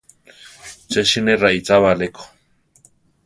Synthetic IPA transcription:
t͡ʃeʃinerait͡saβaleko̥

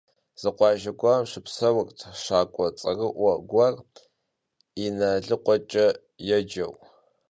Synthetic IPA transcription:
z̥ɨqʷɑːʒɐɡʷamʂɨpsɐwɐrtʰʂaːkʷʼɔt͡sʼɐrɨʔʷɐɡʷɐr | inɐɮɨqʷʼɔt͡ʃʼɐ | jɛd͡ʒɐw

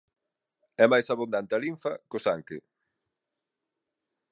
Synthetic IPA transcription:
ɛmajsaβund̪ant̪ɪaliɱfɐ̰kʊsaŋkɪ

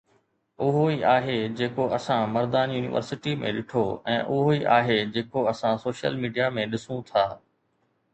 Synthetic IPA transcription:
ʊɦoiʔaːɦed͡ʑeːkoɐsãmɐɾd̪aːnjuːnɪ̰ʋə̰ɾsɪʈimḛ̃ɗɪʈʰoɛ̰̃ːʔʊɦoiːʔaːɦed͡ʑeːkoɐsãsoːʃə̰lmiːɖijamẽɗɪsũt̪ʰaː

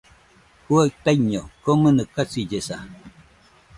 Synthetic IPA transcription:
huat̪ajɲokomənɨkːat͡sid͡ʒesa

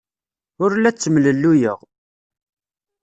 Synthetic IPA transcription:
ʊɾlæt͡sːəmləlːujəʁ

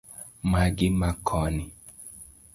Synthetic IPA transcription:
maɡimakʰɔni

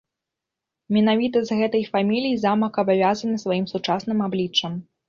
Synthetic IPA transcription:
mʲɛnavʲit̪ɐzɣɛt̪ɐjfamʲilʲijizamɐkɐbavʲazɐnɨsvajimsut͡ʂasnɨmablʲit͡ʂːɐm

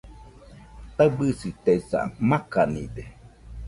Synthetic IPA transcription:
t̪abɨsit̪eisa̰makanḭde

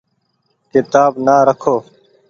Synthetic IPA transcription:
kɪt̪aːbnaːɾəkʰoː

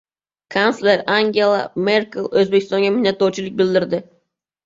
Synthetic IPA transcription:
kʰansleɾaŋɡʲe̞lˠa̰me̞ɾkɪlˠɵzbekʲʰɪ̥st̪ɒŋɡʲamɪhnːat̪ːɒwt͡ʃʰɪlɪk̚ʲbɪld̪ɪɾd̪ɪ

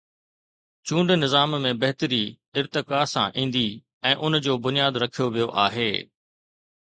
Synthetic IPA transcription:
t͡ɕũːɳɖnɪzaːmmẽbɐɦɪt̪əɾi | ɪɾt̪ɪkaːsã̰ʔĩːnd̪i | ɛ̃ːʔʊnd͡ʑoːbʊnijaːd̪ɾɐkʰijoʋijoʔaːɦeː

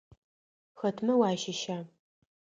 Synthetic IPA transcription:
xɐtʰmɐwaːʃɐʃaː

